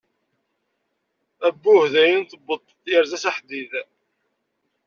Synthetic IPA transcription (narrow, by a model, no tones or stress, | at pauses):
æbːʊhðæjənθəbːət̪ˤːjəɾzæsaħd̪ið